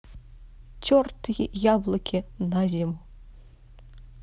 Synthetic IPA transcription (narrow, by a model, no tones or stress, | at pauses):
t͡sʲɔrt̪ɨjjablˠɐkʲʰinazʲimu